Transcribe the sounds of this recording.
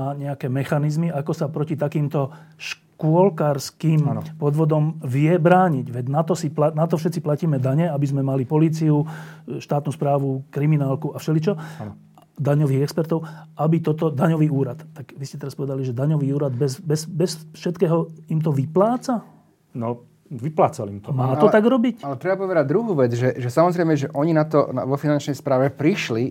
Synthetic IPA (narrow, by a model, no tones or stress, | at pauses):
aːɲɛakɛːmɛxanizmiakɔsapɾɔcit̪akiːmt̪ɔʃ | kʊɔlkaɾskiːmpɔd̪ʋɔd̪ɔmʋɪɛbɾaːɲiɟʋɛɟnat̪ɔsiplanat̪ɔfʃɛt̪t͡siplaciːmɛd̪aɲɛabizmɛmalipɔliːt͡siuʃt̪aːt̪nuːspɾaːʋukɾiminaːlkuafʃɛlit͡ʃɔ | d̪aɲɔʋiːɣɛkspɛɾt̪ɔʊʔabit̪ɔt̪ɔd̪aɲɔʋiːuːɾat̪t̪ːaɡʋiscɛt̪ɛɾaspɔʋɛd̪aliʒɛd̪aɲɔʋiːuːɾad̪bɛsbɛsbɛsfʃɛt̪kɛːɦɔimt̪ɔʋiplaːt͡sa | nɔ | ʋiplaːt͡sa̰lḭmt̪ɔmaːt̪ɔt̪aɡɾɔbicalɛt̪ɾɛbapɔʋɛd̪aɟ̚d̪ɾuɦuːʋɛd͡zʒɛʒɛsamɔzɾɛɪmɛʒɛʔɔɲinat̪ɔ̰ʋɔfinant͡ʃnɛjspɾaːʋɛpɾiʃli